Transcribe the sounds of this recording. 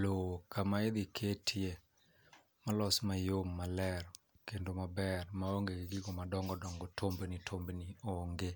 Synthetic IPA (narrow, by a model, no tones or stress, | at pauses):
lokʰamaed̪ɪkʰetʰje | malɔsmajomːalɛr | kendomabɛrmaoŋɡeɡɪɡɪɡɔmadɔŋɡɔdɔŋɡɔtʰombenitʰombenioŋɡe